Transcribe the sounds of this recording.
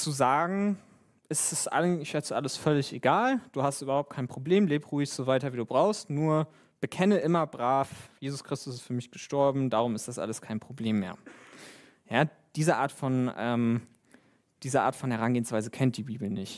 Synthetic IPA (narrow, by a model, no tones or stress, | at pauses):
t͡suzaːɡŋ̩ | ʔɪstɛsʔa̰ɪɪʃɛt͡səʔaləsfœlɪçʔeɡaːld̥uːhastʔyːbɐhaʊp̚t̚kʰaɪnpʁ̥obleːmleːpʁuːɪçz̥ovaɪtɐviːduːbʁaʊxstnuːɐ | b̥əkʰɛnəʔɪmɐbʁaːfjeːzʊskʁ̥ɪstʊsɪstfyːɐmɪçɡ̥əʃtɔɐbm̩daːʁʊmɪstd̥asʔa̰ləskʰaɪnpʁ̥obleːmːḛːɐ | jaː | d̥iːzəʔaːɐtfɔnʔɛːm | d̥iːzəʔa̰ːɐtfɔnhɛʁ̞anɡeːənsv̥aɪzəkʰɛnt̚d̥iːbiːbl̩nɪçt